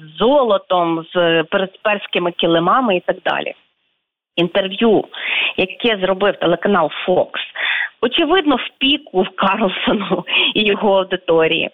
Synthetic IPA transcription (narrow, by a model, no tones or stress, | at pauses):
zɔlˠɔt̪ɔmz̥peɾed̪spɛrsʲkɪmɪkʲilˠɪmɑmɪit̪ɑɡ̚d̪ɑ̰lʲʔḭ | int̪e̞rʋjujɐkɛzɾɔbɪwt̪elˠekɐnɑlˠfɔksɔt͡ʃɪʋɪd̪nɔwpʲikʊwkɑrlˠsɔnʊijɔɦɔɐwd̪ɪt̪ɔɾʲḭjḭ